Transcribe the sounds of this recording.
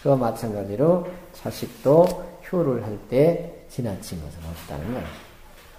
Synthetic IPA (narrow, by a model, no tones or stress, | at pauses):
kɯʌmat͡ɕʰanɡad͡ʑiɾot͡ɕʰaɕʰik̚t͈oçjoɾɯɭɦaɭt͈e̞t͡ɕinat͡ɕʰinɡʌsʰɯɾʌt͈a̰nɯnɡʌɕi